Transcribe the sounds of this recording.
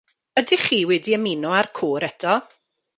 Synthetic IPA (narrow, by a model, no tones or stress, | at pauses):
ədiχiːwɛdiəmɪnɔarkʰoːɾɛtʰɔ